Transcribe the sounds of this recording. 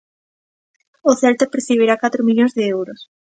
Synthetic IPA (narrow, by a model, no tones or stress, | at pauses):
ʊθɛlt̪epɾeθiβiɾakat̪ɾʊmiʎõnzðɪewɾʊs